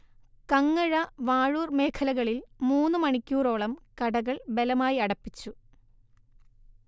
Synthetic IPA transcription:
kɐŋːɐɻɐʋaːɻuːrme̞ːkʰɐlɐɣɐɭilmuːnːɨmɐɳikʲːuːro̞ːɭɐmkɐɽɐɣɐɭbe̞lɐmaːjiɐɽɐpːit͡ɕːu

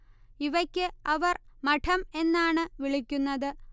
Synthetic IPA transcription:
iʋɐkʲːɨɐʋɐr | mɐʈʰɐme̞nːaːɳɨʋiɭikʲːunːɐðɨ

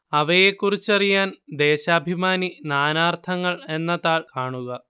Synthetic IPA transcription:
ɐʋɐje̞kːurit͡ɕːɐrijaːnd̪e̞ːɕaːbʱimaːninaːnaːrt̪ʰɐŋːɐɭe̞nːɐðaːɭkaːɳuɣɐ

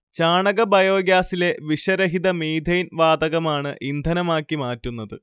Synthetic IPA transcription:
t͡ɕaːɳɐɣɐbɐjo̞ːɡjaːsile̞ʋiʂɐɾɐɦid̪ɐmiːd̪ʱɐjnʋaːd̪ɐɣɐmaːɳɨʔind̪ʱɐnɐmaːkːimaːtːunːɐðɨ

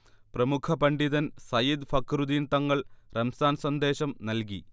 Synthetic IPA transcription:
prɐmukʰɐpɐɳɖiðɐnsɐjid̪fɐkrud̪iːnt̪ːɐŋːɐɭrɐmsaːnsɐnd̪e̞ːɕɐmnɐlki

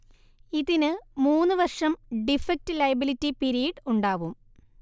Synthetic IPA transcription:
iðinɨmuːnːɨʋɐrʂɐmɖifɐk̚tɨlɐjɐbilitːipiɾijɐɖuɳɖaːʋum

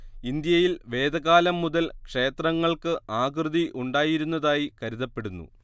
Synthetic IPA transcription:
ind̪jɐjilʋe̞ːd̪ɐɣaːlɐmːuðɐlkʂe̞ːt̪rɐŋːɐɭkɨaːɡrɨðiʔuɳɖaːjiɾunːɐðaːjikɐɾuðɐpːe̞ɽunːṵ

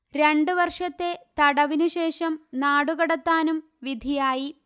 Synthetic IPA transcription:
ɾe̞ɳɖuʋɐrʂɐt̪ːe̞t̪ɐɽɐʋinuɕe̞ːʂɐmnaːɽuɣɐɽɐt̪ːaːnum | ʋid̪ʱijaːji

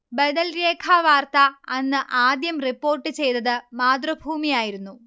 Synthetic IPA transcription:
bɐd̪ɐlɾeːkʰaʋaːrt̪ɐɐnːɨʔaːd̪jɐmripːo̞ːrʈːɨt͡ɕe̞jt̪ɐðɨmaːd̪rɐbʱuːmijaːjiɾunːu

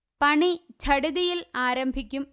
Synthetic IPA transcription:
pɐɳit͡ɕɐɽuðɐjɪlaːɾɐmbʱɪkʲːɯm

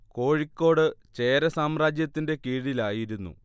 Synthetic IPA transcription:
ko̞ːɻikʲːo̞ːɽɨt͡ɕe̞ːɾɐsaːmraːd͡ʑjɐt̪ːinde̞kiːɻilaːjiɾunːṵ

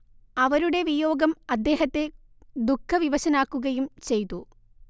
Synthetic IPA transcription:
ɐʋɐɾuɽe̞ʋijoːɡɐmɐd̪ːe̞ːɦɐt̪ːe̞ | d̪ukʰːɐʋiʋɐɕɐnaːkːuɣɐjumt͡ɕe̞jt̪u

